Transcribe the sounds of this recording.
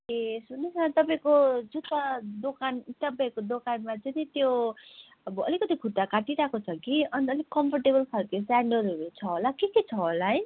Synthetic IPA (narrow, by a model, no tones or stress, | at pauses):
esunesat̪ʌp̬aĩkod͡zut̪ʌd̪okant̪ʌpaĩkod̪okanmat͡sʌnit̪jo | ʌbʌʌlikʌt̪ikʰuʈ̪ːakaʈiɾakot͡sʰʌkiʌniʌlikʌmpʰʌrʈebʌlkʰʌlkesaɳɖʌluɾut͡sʰʌɦolakeket͡sʰʌɦolaɦj